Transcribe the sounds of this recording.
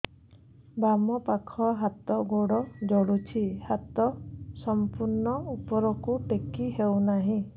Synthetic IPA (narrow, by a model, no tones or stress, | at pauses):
bamɔpakʰɔɦat̪ɔɡoɽɔd͡ʒɔɽut͡ʃʰihat̪ɔsɔmpuɾnɔupɔɾɔkuʈekiɦewnaɦĩ